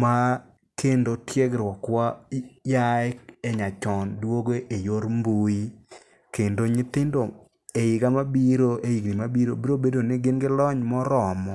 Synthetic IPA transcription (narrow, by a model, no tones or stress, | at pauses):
ma | kʰendotjeɡɾwɔkwajaɛkɛɲat͡ʃɔndwoɡeʔejoɾmbui | kendoɲɪt̪ɪndo | eɪɡamabiɾoejiɡnɪmabiɾobiɾobedonɪɡɪnɡɪlɔɲmɔɾɔmɔ